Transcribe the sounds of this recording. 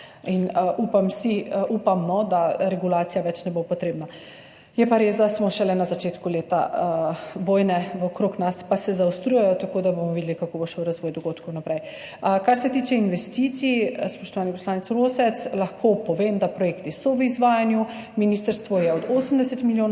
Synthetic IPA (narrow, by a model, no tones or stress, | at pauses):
inʔupamsiəʔupamːɔd̪aɾɛɡulaːt̪sijaʋɛt͡ʃnɛbopɔt̪ɾeːbna | jɛpaɾeːszd̪asmɔʃɛlɛnazat͡ʃeːt̪kuleːt̪a̰ | ʋoːjnɛʋɔkɾoknaspasɛzaust̪ɾujɛjɔt̪akod̪abomɔʋid̪ɛlikakoboʃɛwɾazʋɔːjd̪ɔɡoːt̪kʰɔwnapɾɛj | əkaɾsɛt̪iːt͡ʃɛinʋɛst̪iːt̪sispɔʃt̪ɔʋaːnipɔslaːnɛt̪sɾoːsɛt̪slaxkʰopɔʋemd̪apɾɔjeːkt̪isɔʋəizʋaːjanju | miniːst̪əɾst̪ʋɔjɛɔd̪oːsəm̩d̪ɛsɛt̪miljoː